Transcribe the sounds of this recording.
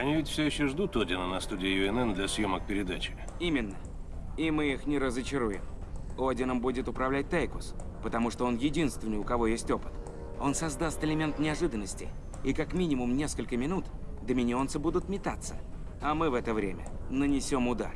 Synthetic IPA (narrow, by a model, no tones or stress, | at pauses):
ɐnʲivʲɪtʲfsʲɵjɪɕːoʐd̪ut̪odʲɪnənɐst̪udʲɪːjʊɛnɛnd̪lʲɐsjomək̚pʲɪɾʲɪd̪at͡ɕɪ̥ | imʲɪnːə | ɪmɨixnʲɪɾəzət͡ɕɪɾujɪ̰mo̞dʲɪnəmbudʲɪt̪ʊpɾɐvlʲæt̚ʲt̪ajkʊspət̪ɐmuʂt̪oo̞njɪdʲinst̪vʲɪnəɨjʊkɐvo̞jesʲtʲo̞pɨ̥t̪ | o̞nsɐzd̪ast̪ɨlʲɪmʲe̞nt̪nʲɪɐʐɨd̪ənːəsʲtʲɪ̰ | ikakmʲinʲɪmʊmnʲe̞skəlʲkəmʲɪnut̪d̪əmʲɪnʲɪo̞nsɨbud̪ʊt̪mʲɪt̪at̪sːə̥̰ | ɐmɨvɛt̪əvɾʲḛmʲə̰nənʲɪsʲo̞mʊd̪a̰r